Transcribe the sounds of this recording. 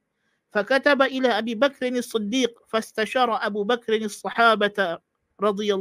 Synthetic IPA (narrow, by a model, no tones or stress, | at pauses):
fakat̪abaʔɪlaːʔabiːbakɾɪnɑsˤːɨd̪ːiːq̚fast̪aʃɑːɾˤɑʔabuːbakɾɪnɑsˤːɑħɑːba | ɾˤɑd̪ˤɨjɑ